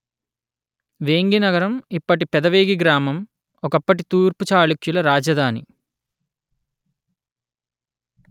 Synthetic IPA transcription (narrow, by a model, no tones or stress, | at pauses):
ʋeːŋɡinɐɡɐɾɐmipːɐʈipɛd̪ɐʋeːɡiɡɾaːmɐm | ɔkɐpːɐʈ̬it̪uːɾput͡ʃaːɭukjulɐɾaːd͡ʒɐd̪ʱaːnḭ